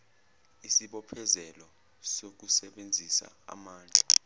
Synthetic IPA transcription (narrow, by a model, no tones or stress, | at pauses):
isiɓɔpʰɛzɛlɔ | sok̬usɛɓend͡zʱisa̰a̰maːnd͡ɮʱʼḁ